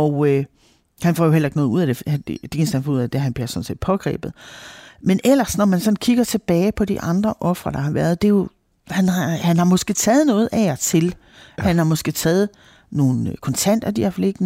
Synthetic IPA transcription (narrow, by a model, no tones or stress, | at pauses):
ɒʊø | hænfɒ̰ːjo̝ɦelɐe̝ɡ̥nɔ̽ːuð̞̰ˠæd̥e̥d̥e̝nsænfɒuðˠæd̥eɦænb̥liɐsɒ̽n̩se̝̰ːd̥̚pʰɒ̽ɡ̥ʁɛ̰ːb̥ð̩ˠmenʔel̰ɐsnɒmænsɒ̽nkʰiɡ̥ɐt͡sʰe̝b̥ɛːɪpʰɒ̽d̥iʔɑ̈nd̥ʁɐʔɒ̽fʁɐd̥ɑ̈hɑ̈ʋæɐð̞̩ˠd̥e̝jo̝ | hænɑhænhɑ̈mɒ̽sɡ̥e̝t͡sʰɛːð̞̩ˠnɔ̽ːð̞̩ˠʔæt͡sʰe̝l | hænhɑ̈mɒ̽sɡ̥e̝t͡sʰɛːð̞̩ˠ | no̝ːn̩kʰɒ̽nt͡sʰæn̰d̥ɐd̥iæfele̝ɡ̥n